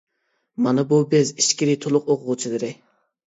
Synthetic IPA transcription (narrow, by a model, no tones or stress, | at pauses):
mɑnɨbubɪziʃkʲiɾɪt̪ʰolˠʊqoqʰʊʁʊt͡ʃʰilɨɾɪ